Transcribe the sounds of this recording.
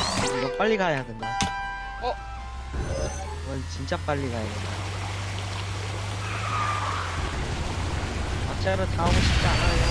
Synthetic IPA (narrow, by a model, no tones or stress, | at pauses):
ɾʌp͈aʎːiɡajadɯnda | wʌnt͡ɕint͡ɕ͈ap͈aʎːiɡajadɯnda | mat͡ɕ͈ʰaɾɯtaomɯɕʰit͡ɕ͈anaj